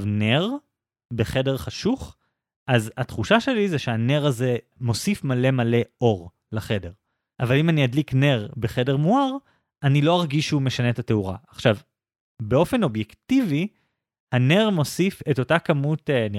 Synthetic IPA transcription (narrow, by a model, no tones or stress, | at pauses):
vneʁ | beχe̞de̞ʁχaʃuχ | ʔazatχuʃaʃelizeʃeane̞ʁazemo̞sifmale̞male̞ʔo̞ʁ | laχe̞de̞ʁ | ʔavalimaniadlikne̞ʁbeχe̞de̞ʁmuaʁ | anilo̞aʁɡiʃume̞ʃanetate̞uʁa̰aχʃav | be̞ofe̞no̞bjektivi | hane̞ʁmo̞sife̞to̞takamutni